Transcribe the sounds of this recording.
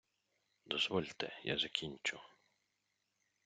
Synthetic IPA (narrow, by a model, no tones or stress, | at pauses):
d̪ɔzʋɔlʲt̪ɛ̰ja̰zɐkʲinʲt͡ʃʊ